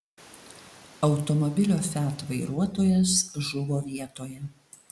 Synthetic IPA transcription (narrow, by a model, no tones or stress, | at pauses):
ɐʊt̪ɔmɔbʲɪlʲoːfʲæt̪ʋɐɪɾuɔt̪oːjɛsʒʊʋoːʋʲiɛt̪oːjɛ